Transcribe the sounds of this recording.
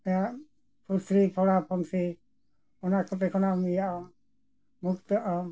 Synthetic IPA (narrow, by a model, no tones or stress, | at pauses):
ɛaʔ | pʰuɾsɾipʰɔɽapʰɔŋsi | ɔnakɔt̪ɛkʰɔnamijaɔ | mukt̪ɔʔa